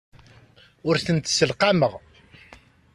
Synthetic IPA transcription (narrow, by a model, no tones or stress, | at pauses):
ʊɾθənt̪səlqɑməʁ